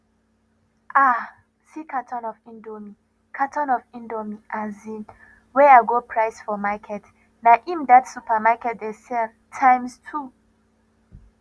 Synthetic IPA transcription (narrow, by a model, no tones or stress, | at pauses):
ʔa | sikʰatʰɔ̃nɔvĩndomi | kʰatɔ̃nɔvĩndomiʔãzĩn | wɛaɡopʰɹaɪsfɔmakʰɛt | naʔĩmdatsupamakɛt̚dɛsɛ | tʰãɪ̃mstʰu